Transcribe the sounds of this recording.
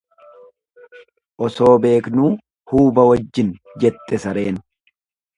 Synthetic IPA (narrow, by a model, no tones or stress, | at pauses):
ʔɔso̞ːbe̞ːknuː | huːbɐwɐd͡ʒːɪn | d͡ʒɛt̪ːɛsɐɾe̞ːn